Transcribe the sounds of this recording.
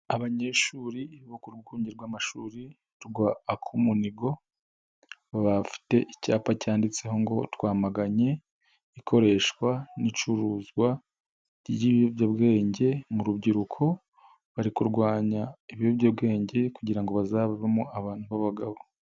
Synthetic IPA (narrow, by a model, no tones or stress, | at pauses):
aβaɲe̞ʃuːɾiβokuɾɡuːɲɟiɾɡwaːmaʃuːɾi | tuɡwaːkʰumuniɡo̞ | βaβafi̥te̞ʔicaːpacaːndit͡se̞ho̞ŋɡo̞twaːmaɡaɲe̞ | ikʰo̞ɾe̞ːʃkwanit͡ʃuɾuːzɡwa | jiβijobɟabɡe̞ːɲɟe̞muɾubɟiɾukʰo̞ | βaɾikuɾɡwaːɲaiβijobɟabɡe̞ːɲɟe̞kuɟiɾaŋɡo̞βazaβaβemuaβaːn̥huβaβaɡaβo̞